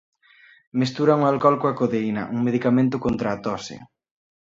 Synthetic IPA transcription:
mest̪uɾaŋualkɔlkoakoðeinɐ̰ʔuŋmeðikamẽnt̪̬ʊkont̪ɾaːt̪ɔsɪ̰

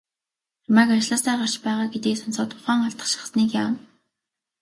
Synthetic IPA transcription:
rmaːkat͡ɕɮʊ̆ːsæːɢar̥t͡ɕpæːʁaːɡet̪iːksɔnsɔːt̪ʊχaːŋaɮt̪ə̥̆χʃi̥χsniːkjaːm

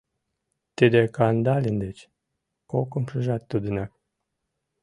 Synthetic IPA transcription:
t̪ed̪ekɑnd̪ɑlʲind̪et͡ɕ | okəmʃəʒɑt̪ːud̪unɑk

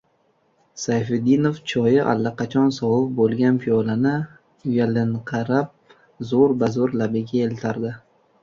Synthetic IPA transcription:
sajfed̪inoft͡ʃʰɒjɪʔa̰lːaqɑt͡ʃʰɒnsɒwʊp̚bolˠɡʲanpʰiɒlanɪ | ʊjalɪɴqʰɑɾap̚ | zoɾbazoɾlabɪɡʲaelt̪ʰaɾd̪ɪ

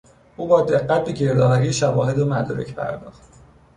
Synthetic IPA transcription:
ʔuːbɒːd̪e̞ɣːæt̪̚becʰe̞ɾd̪ɒːɦɒɾijeʃævɒːhe̞d̪omæd̪ɒːɾḛcʰpʰæ̰ɾd̪ɒːχt̪

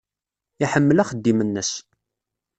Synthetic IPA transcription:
iħəmːəlæχəd̪ːimənːəs

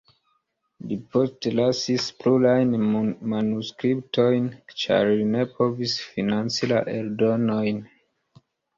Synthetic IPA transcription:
lipo̞ste̞lasisplulajnmanuskɾiptʰo̞jnt͡ʃa̰ɾline̞pʰo̞visfinant͡sila̰ʔeldo̞no̞jn

